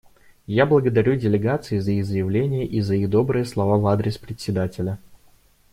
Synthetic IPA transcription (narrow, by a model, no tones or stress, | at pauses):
jablˠəɡəd̪ɐɾʲudʲɪlʲɪɡat̪sɨɪzəiɣzəjɪvlʲenʲɪjəʔizəiɣd̪o̞bɾɨjəslˠɐvavad̪ɾʲɪspɾʲɪtʲsʲɪd̪atʲɪlʲə